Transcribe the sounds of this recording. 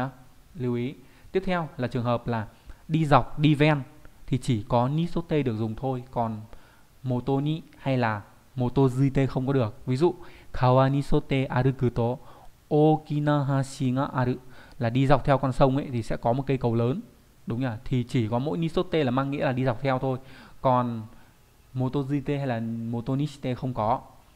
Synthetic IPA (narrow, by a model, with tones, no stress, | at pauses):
li˧əwʔi˨˦ | t̪i˦˥əp̚t̪ʰɛ˧wlaː˨˩t͡ɕɨ˨˩əŋɦəː˨˩p̚laː˨˩ɗi˧za˨˩wk͡p̚ɗi˧vɛ˧nt̪ʰi˨˩t͡ɕi˧˩kɔ˨˦ni˧˦˥so˦˥t̚t̪e˧ɗɨ˨˩ək̚zʊ˨˩ŋ͡mt̪ʰo˧jkɔ˨˩n | mo˨˩t̪o˧nḭ˧˨ha˧jlaː˨˩ | mo˨˩t̪o˧zi˧t̪e˧xə˧wŋ͡mkɔ˨˦ɗɨ˨˩ək̚vi˨˦zṵ˧˨kʰaː˨˧˩waː˧ni˧˥so˦˥t̚t̪e˧ʔaː˧ɾɨ˧kɨ˧˩t̪o˨˧˦ | ʔo˧ki˧naː˧ɦaː˧si˧ŋa̰˧ʔa˧ɾɨ˧˥laː˨˩ɗi˧za˨˩w̚k͡p̚t̪ʰɛ˧wkɔ˧nsə˧wŋ͡mʔə̰˧˦jt̪ʰi˨˩sɛ̰˧˥kɔ˨˦mo˨˩t̚ka˨˦jkə˨˩wləː˨˦n | ɗʊ˨˦ŋ͡mə˧˩t̪ʰi˨˩t͡ɕi˧˩kɔ˨˦mo̰˧˥jni˧˦˥so˦˥t̚t̪e˧laː˨˩maː˧ŋːḭ˧˥laː˨˩ɗi˧za˨˩k͡p̚t̪ʰɛ˧wt̪ʰo˧jkɔ˨˩n | mo˨˩t̪o˧zi˧t̪e˧ha˧jlaː˨˩mo˨˩t̪o˧ni˧˦˥si̥˧˥t̪e˧xə˧wŋ͡mkɔ˨˦